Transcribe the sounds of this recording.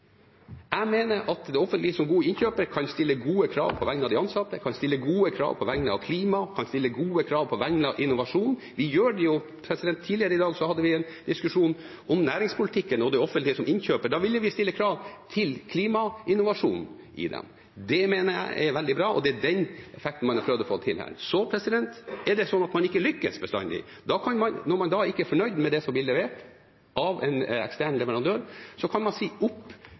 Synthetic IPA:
æmeːnəɾʔɑt̪d̪ɛɔfːənt̪lɪəsɔmɡuːəɪnçøːpəɾkʰɑnst̪ɪlːəɡuːəkʰɾɑ̰ːʋpʰɔʋæŋnɑʋd̪ɛɑnsɑt̪ːəkʰɑnst̪ɪlːəɡuːəkʰɾɑ̰ːʋpʰɔʋæŋnəɑ̰ʋkʰliːmɑkʰɑnst̪ɪlːəɡuːəkʰɾɑːʋpʰɔʋæŋnəɑʔɪnːʊʋɑʂuːnn | ʋɪjøːɖɛjʊ | pʰɾɛsɪd̪ɛnt̪ʰːiːlɪəɾəɪd̪ɑːɡsɔhɑd̪ːəʋɪɛn | d̪ɪskʉʂuːn | ɔmnæːɾɪŋspʰʊlɪt̪ʰɪkːənɔd̪ɛɔfənt̪lɪəsɔmɪnçøːpəɖɑːʋɪlːəʋɪst̪ɪlːəkʰɾɑːʋt̪ʰɪlkʰliːmɑɪnːʊʋɑʂuːn | ʔɪ̰d̪ɛ̰m | d̪ɛmeːnəjæ̰ɪʔɛʋɛld̪ɪbɾɑːɔ̰d̪ɛæɖɛnɛfɛkt̪n̩mɑnæɾpʰɾøːʋd̪ɔfo̰ːt̪ʰɪlhæ̰ːsɔpʰɾɛsɪd̪ɛnt̪ɛɖɛsɔnːɑt̪mɑnɪkːəlʏkːə̰sbəst̪ɑ̰nd̪ɪ̰ | d̪ɑkʰɑnmɑnnɔɾmɑnd̪ɑːɪkːəɛɾfɔɳœʏd̪mɛd̪ɛsɔmb̪lɪːlɛʋeːʈ | ʔɑʋɛ̰nɛ̰kst̪æːɳlɛʋəɾɑnd̪øːɾsɔkʰɑnmɑnsiːʊpː

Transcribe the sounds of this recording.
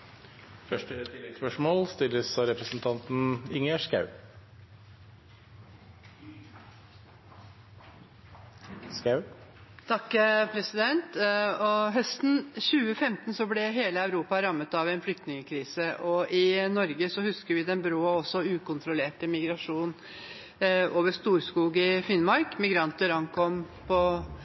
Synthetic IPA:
fœʂʈət̪ʰɪlːɛt̪spœʂmoːlst̪ɪlːəsɑɾɛpɾəsn̩t̪ʰɑnt̪n̩ɪŋæʂkɑ̰ʉ | skaʉt̪ʰɑkːpʰɾɛsɪd̪ɛnt̪ɔɦœst̪n̩çʉːəfɛmt̪nsɔblɛɦeːləæʉɾuːpɑɾɑmːət̪ɑʋɛɪnflʏk̚t̪nɪŋəkʰɾiːsəʔɔʔɪnɔɾɡəsɔhʉskəɾʋɪd̪ɛnbɾoːɑɔsːɔʉːkʊnt̪ʰɾʊleːʈəmɪɡɾɑʂuːn | ʔoːʋəʂt̪uːɾskuːɡɪfɪnmɑɾkmɪɡɾɑnt̪əɾɑŋkʰɔmpʰɔ

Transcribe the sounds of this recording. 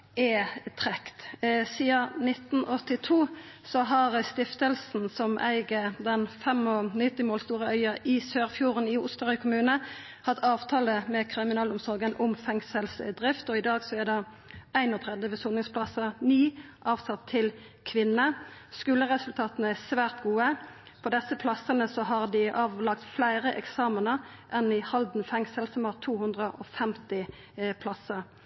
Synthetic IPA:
ɛt̪ʰʁɛkt̪siːɑnɪt̪n̩ɔt̪ːɪt̪ʰuː | sɔɦɑʁst̪ɪft̪əlsn̩sɔmʔæ̰ɪɡəd̪ɛnfɛmɔnɪt̪ːɪmoːlst̪uːʁəœʏɑɪsøːʁfjuːʁənɪʊst̪əʁʉkʰʊmʉːnə | hɑt̪ːɑːʋt̪ʰɑːləmɛkʰʁɪmɪnɑːlʊmsɔʁɡənʔʊmfɛŋsəlsd̪ʁɪft̪ɔɪd̪ɑːɡsɔæd̪ɑ | æɪnɔt̪ʰʁɛd̪əʋɛsunɪŋspʰlɑsəniːʔɑːʋsɑt̪ʰːɪl | kʰʋɪnːəskʉːləʁɛsʉlt̪ʰɑːt̪ənəæsʋæːʁt̪ɡuːə | pʰɔd̪ɛsːəpʰlɑsənəsɔɦɑʁd̪ɪʔɑːʋlɑkt̪flæɪʁəʔɛ̰ksɑːmənə | ʔɛnɪhɑld̪n̩fɛŋsəlsɔmɑːʁt̪ʰuːhʉnd̪ʁəʔɔfɛmt̪ɪ | pʰlɑsə

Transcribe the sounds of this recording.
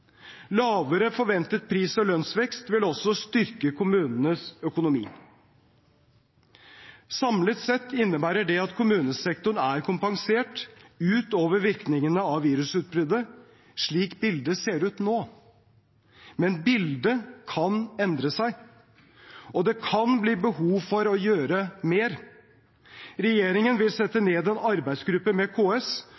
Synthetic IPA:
lɑːʋəɾəfɔɾʋɛnt̪ət̪̚pʰɾiːsɔlœnsʋɛkst̪ʋɪlɔsːɔst̪ʏɾkəkʰʊmʉːnnəsœkʊnʊmḭː | sɑmlət̪sɛt̪ːɪnːəbæːɾəɖɛɑt̪kʰʊmʉːnəsɛkt̪ʊɳæɾkʰʊmpɑŋseːʈʉːt̪oːʋəɾʋɪɾknɪŋənəɑʋʋiːɾʉsʉːt̪̚bɾʏd̪ə | ʂɭiːkbɪld̪əseːɾʉːt̪noː | mɛnbɪld̪əkʰɑnɛnd̪ɾəsæɪ | ɔd̪ɛkʰɑnbliːbəhuːʋfɔɾɔjøːɾəmeːɾ | ɾɛjeːɾɪŋənʋɪlsɛt̪ːəneːd̪ɛnɑɾbæɪd̪sɡɾʉpːəmɛkʰoːɛs

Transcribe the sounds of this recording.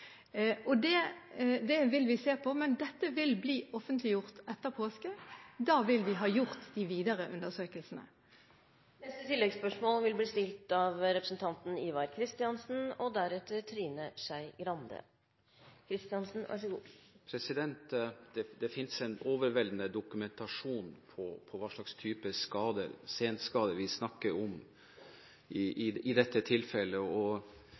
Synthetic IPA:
ʔɔd̪ɛd̪ɛʋɪlʋɪseːpʰɔmɛnd̪ɛt̪ːəʋɪlbliːʔɔfənt̪ʰlɪjʊʁt̪ɛt̪ːəʁpʰoːskəd̪ɑːʋɪlʋɪɦɑːjʊʁt̪d̪ɪʋiːd̪əʁəʔʉnd̪əsøːkəlsn̩ə̰ | nɛst̪ət̪ʰɪlːɛɡspœʂmoːlʋɪlbliːst̪ɪlt̪ɑʋɾɛpɾəsn̩t̪ʰɑnt̪n̩iːʋɑɾkʰɾɪst̪ɪɑnsn̩ɔd̪æɾɛt̪ːəɾt̪ʰɾiːnəsæɪɡɾɑnd̪ə̰ | kʰɾɪst̪ɪɑnsn̩ʋʔæ̰ʂəɡuːpʰɾɛsɪd̪ɛnt̪d̪̥ɛd̪ɛfɪnsɛnoːʋəɾʋɛld̪n̩əd̪ʊkʉmɛnt̪ɑʂuːnpʰɔpʰɔʋɑːʂɭɑkst̪ʰyːpəskɑːd̪ə̰ɾseːnt̪skɑːd̪əʋɪsnɑkːəɾɔm | ɪɪɪd̪ɛt̪ːət̪ʰɪlfɛlːəɔ

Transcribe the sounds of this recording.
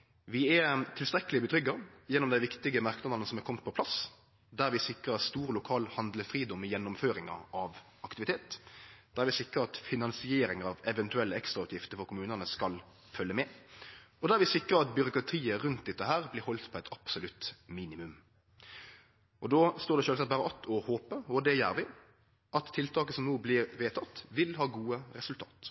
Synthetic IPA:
ʋɪɛt̪ʰɪlst̪ɾɛkːəlɪbəd̪ʁʏɡːɑjɛnːɔmd̪æɪʋɪkt̪ɪɡəmɑʁknɑd̪ɑnəsɔmɛkʰɔmt̪̚pʰɔpʰlɑs | d̪æʁʋɪsɪkʁəst̪uːʁlʊkʰɑːlhɑnd̪ləfʁiːd̪ɔmɪjɛnːʊmføːɾɪŋɑ̰ʔɑʋ | ɑkt̪ɪʋɪt̪ʰeːt̪d̪̥æːʁʋɪsɪkːʁəɑt̪fɪnɑnsɪeːɾɪŋəʁɑʋɛʋɛnt̪ʉɛlːəɛkst̪ɾʁɑʉt̪jɪft̪əfɔɾkʊmʉːnənəskɑl | fœlːəmɛː | ɔd̪ææʋɪsɪkːɾəɑt̪̚bʏɾʊkɾɑt̪ʰiːəɾʉnt̪̚d̪ɛt̪ːəɦæːʁblɪɾhɔlt̪pʰɔɛɪt̪ʰɑpsʊlʉt̪miːnɪmʉm | ʔɔd̪oːst̪oːʁd̪ɛʃøːlsɑt̪̚bæːɾəʔɑt̪ʰːɔhoːpəɔd̪ɛjæːɾʋɪ | ʔɑt̪ʰːɪlt̪ʰɑːkəsɔmnuːblɪɾʋeːt̪ʰɑt̪ːʋɪlhɑːɡuːəɾɛsʉlt̪ʰɑ̰ːt̪

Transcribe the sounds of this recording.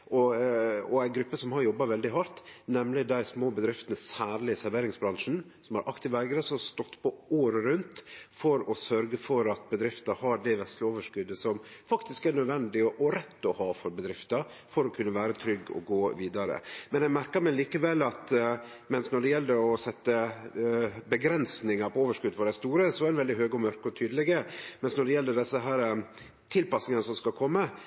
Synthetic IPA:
ʔɔɔæɪɡɾʉpːəsɔmhɑɾjɔbːɑʋɛld̪ɪɦɑɾt̪nɛmlɪd̪æɪsmoːbəd̪ɾɪft̪ənəsæːɾlɪəsæɾʋeːɾɪŋsbɾɑŋʂn̩ | sɔmhɑɾʔɑkt̪ɪʋæɪɡɾəsɔst̪ɔt̪ːpʰɔoːɾəɾʉnt̪fɔɾɔsœɾɡəfɔɾɑt̪̚bəd̪ɾɪft̪əhɑɖæʋɛslɪoːʋəʂkʉd̪ːəsɔmfɑkt̪ɪskænœd̪ʋɛnd̪ɪʔɔɾɛt̪ːɔhɑːfɔɾbəd̪ɾɪft̪ɑ | fɔɾɔkʰʉnːəʋæːɾət̪ʰɾʏɡːɔ̰ɡoːʋiːd̪ɑɾə̰mɛnjæɡmæɾkəɾmɛliːkəʋɛlːɑt̪ | mɛnsnɔɖɛjɛlːd̪əɔsɛt̪ːə | bəɡɾɛnsnɪŋɑɾpʰɔoːʋəʂkʉd̪ːfɔɖæɪst̪uːɾəsɔɛæɾɛnʋɛld̪ɪɦøːɡɔmœɾkəɔt̪ʰyːd̪əlɪɡəmɛnsnɔɖɛjɛlːəɖɛsːəɦæːɾə | t̪ʰɪlpɑsnɪŋənəsɔmskɑkʰɔmːə

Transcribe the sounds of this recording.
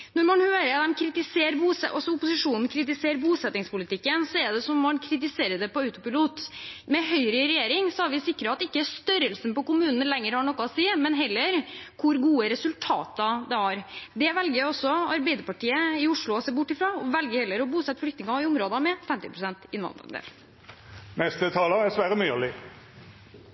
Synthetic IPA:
nɔɾmɑnhøːɾəɾd̪ɛmkʰɾɪt̪ɪseːɾbuːsɛɔsɔʊpʊsɪʂuːnn̩kʰɾɪt̪ɪseːɾbuːsɛt̪nɪŋspʊlɪt̪ɪkːənsɔɛɖ̪ɛsɔmːɑnkʰɾɪt̪ɪseːɾəɖ̪ɛpɔœʉt̪ʊpɪluːt̪mɛɦœʏɾəɾɛjeːɾɪŋsɔæɾʋɪsɪkːɾəɑt̪̚ɛɪkːəst̪œɾəlsn̩pɔkʊmʉːnn̩lɛŋːəɾhɑɳɔkːəɔsiːmɛnɦɛlːəɾkʰʊɾɡuːəɾɛsʉlt̪ʰɑ̰ːt̪əd̪ɛæɾd̪ɛʋɛlɡəɾɔsːɔɑɾbɛɪd̪əɾpɑʈiːəɪʊʂɭʊɔseːbʊʈːɪfɾɑːɔʋɛlɡəɾhɛlːəɾɔbuːsɛt̪ːəflʏkt̪nɪŋɑɪʊmɾoːd̪ɑmɛfɛmt̪ɪpʰɾʊsɛnt̪ɪnʋɑ̰nd̪ɾɑ̰d̪ḛl | mɛst̪ət̪ʰɑːləæɾsʋæːɾəmyːlɪ

